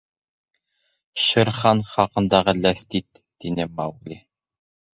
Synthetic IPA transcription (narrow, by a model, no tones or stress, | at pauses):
ʃɘ̆ɾχɑnχɑqɤ̆nd̪ɑʁɤlæst̪it̪ːinɘmɑwɡlʲi